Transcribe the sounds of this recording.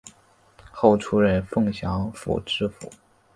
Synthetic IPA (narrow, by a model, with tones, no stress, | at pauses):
xo˥˩ʊʈ͡ʂʰu˥ɻə˧˥nfɤ˥˩ŋɕjɑ˧˥ŋfṵ˨˩ʈ͡ʂɻ̩˥fṵ˨˩˦